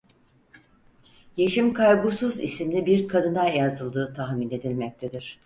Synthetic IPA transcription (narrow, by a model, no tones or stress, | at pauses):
je̞ʃimkʰaɾɡusuzḭsimlʲibiɾkʰad̪ɯnajazɯlˠd̪ɯːt̪ʰaxmine̞d̪ilʲmɛc̚t̪ʰed̪iɾ̥